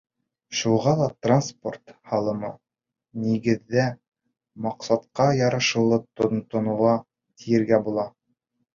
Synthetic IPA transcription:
ʃuʁɑlˠɑt̪ranspo̞̰rt̪hɑlˠɤ̆mɑ | niɡɘ̆ðːæ | mɑqsɑt̪qɑjɑɾɤ̆ʃɤ̆wlˠɤt̪ont̪ŏnŭʁɑ | t̪ijɘ̆ɾɡæbulˠɑ

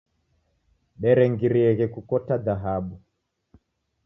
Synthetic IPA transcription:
ɓɛɾɛŋɡiɾiɛɣɛkukɔtaðaɦaɓu

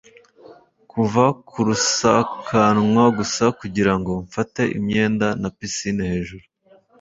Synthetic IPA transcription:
kʰuvakʰuɾusakʰanwaɡusakuɟiɾaŋɡo̞ɱfate̞ʔḭmɲe̞ːndanapisinehe̞ːʒuɾu

